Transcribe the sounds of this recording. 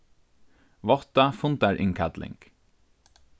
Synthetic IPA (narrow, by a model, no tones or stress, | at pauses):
ʋɔt̪ɑfʊnt̪æɹʔɪ̰ŋkʰæd̪lʔɪ̰ŋɡ̥